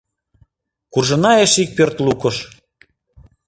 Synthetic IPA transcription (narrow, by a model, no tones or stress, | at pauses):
kurʒə̆nɑeʃik̚pørt̪lukəʃ